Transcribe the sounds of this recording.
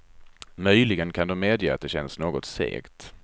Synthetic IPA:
mœjlɪɡənkʰand̪ɔmːeːd̪jəːa̰t̪̚d̪ɛɕɛnsnoːɡɔt̪sḛːɡt̪

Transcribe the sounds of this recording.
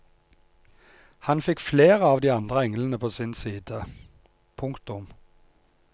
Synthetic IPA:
hɑnfɪkfleːʁəɑːʋd̪iːɑnd̪ʁəɛŋlənəpʰoːsɪnsiːd̪ə | pʰʊŋkt̪ʊm

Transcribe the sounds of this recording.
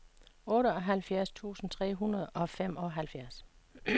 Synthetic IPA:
ɔ̽ːɾəɒɦælfjæɐst͡sʰṵːsn̩t͡sʰʁɛ̰ːɦunɐðˠɒ̽fem̰ɒ̽ɦælfjæɐs

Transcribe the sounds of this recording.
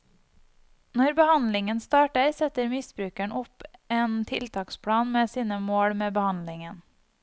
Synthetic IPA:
nɔɾbəhɑnlɪŋənst̪ɑːʈəɾsɛt̪əɾmɪsbɾʉːkæɳʔʊpeːnt̪ʰɪlt̪ʰɑːkspʰɽɑːnmeːsiːnəmoːɽmeːbəhɑnlɪŋən

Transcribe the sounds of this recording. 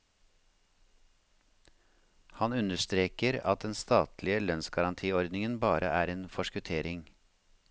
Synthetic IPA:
hɑnʉnəst̪ɾeːkəɾɑt̪̚d̪ɛnst̪ɑːt̪lɪəlœnsɡɑɾɑnt̪ʰiːɔɾd̪nɪŋənbɑːɾəʔæːɾeːnfɔʃkʉt̪ʰeːɾɪŋ

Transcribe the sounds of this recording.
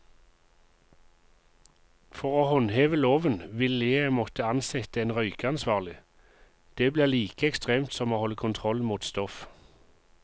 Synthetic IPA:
fɔʁoːhɔnheːʋəloːʋənʋɪleːmɔt̪əɑnsɛt̪əeːnʁœʏkəɑnsʋɑːʁlɪ | d̪̥eːbliːʁliːkəɛkst̪ʁeːmt̪sɔmoːhɔlːəkʰʊnt̪ʰʁɔlmuːt̪st̪ɔf

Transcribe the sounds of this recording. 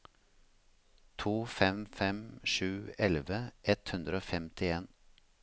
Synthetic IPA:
t̪ʰuːfɛmfɛmʃʉːɛlʋəʔɛt̪hʉnd̪ɾəoːfɛmt̪ʰɪeːn

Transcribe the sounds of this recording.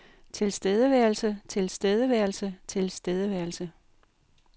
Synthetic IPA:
t͡sʰe̝lsd̥eð̞ˠəʋæɐ̰lsət͡sʰe̝lsd̥eð̞ˠəʋæɐlsət͡sʰe̝lsd̥eð̞ˠəʋæɐlsə

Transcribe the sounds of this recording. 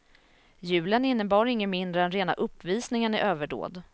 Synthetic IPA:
jʉ̟ːlənɪnːəbɑːɾɪŋːəmɪnd̪ɾəɛnɾeːna̰ʔɵpːviːsnɪŋənɪʔøːvəɖo̰ːd̪

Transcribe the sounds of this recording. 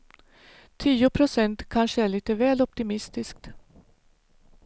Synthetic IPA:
t̪ʰiːʊpʰɾʊsɛnt̪kʰanʂəæɭiːt̪əvɛːlɔp̚t̪ɪmɪst̪ɪsk̚t̪

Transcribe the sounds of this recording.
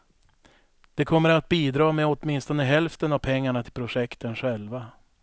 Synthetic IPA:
d̪̥ɛkʰɔmːəɾat̪̚biːd̪ɾɑːmɛɔt̪mɪnst̪ɔnəɦɛlft̪ənavpʰɛŋːaɳat̪ʰɪlpʰɾʊʂɛkt̪ənɧɛlva

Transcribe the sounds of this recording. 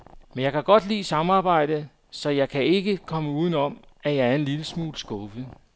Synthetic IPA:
menjɑ̈ɪkʰæɡ̥ɒ̽d̥lḭːsɑ̈məɑ̈ːb̥ɑ̈ɪ̰d̥ə | sɒ̽jɑ̈ɪkʰæe̝ɡ̥əkʰɒ̽məuːð̞ˠn̩ɒ̽m̰ | æjɑ̈æɐe̝nliləsmṵːlsɡ̥ɔfð̩ˠ

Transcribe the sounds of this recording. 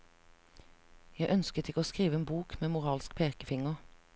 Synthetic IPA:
jæɪʔœnskət̪ɪkəoːskʁiːʋəeːnbuːkmeːmʊʁɑːlsk̚pʰeːkəfɪŋəʁ

